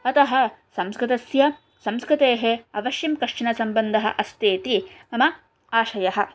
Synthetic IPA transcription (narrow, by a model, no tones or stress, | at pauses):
ɐt̪ɐɦɐ̆sɐmskɾɪt̪ɐsjɐ | sɐmskɾɪt̪eːɦeɐʋɐʃjɐmkɐʂʂɐnɐsɐmbɐnd̪ʱɐɦɐ̰ʔɐst̪eːt̪imɐmɐ | aːʃɐjɐɦɐ̆